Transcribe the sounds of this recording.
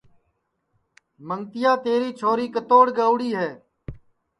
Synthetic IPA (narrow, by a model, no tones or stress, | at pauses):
məŋt̪ɪjaːt̪eːɾiːt͡ʃʰoːɾiːkət̪oːɽɡəʊɽiːɦɛː